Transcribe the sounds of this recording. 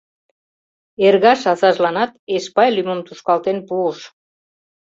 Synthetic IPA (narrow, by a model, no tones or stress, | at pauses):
erɣɑʃɑsɑʒlɑnɑt̪̚eʃpɑjlyməmt̪uʃkɑlt̪enpuəʃ